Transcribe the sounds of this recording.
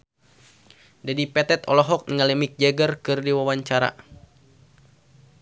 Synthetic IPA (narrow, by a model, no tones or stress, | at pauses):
dadipɛt̪ɛt̪ɔ̰lɔɦɔk̚niŋalɛmik̚d͡ʒɛɡərkɨrdiwawaɲt͡ʃaɾa̰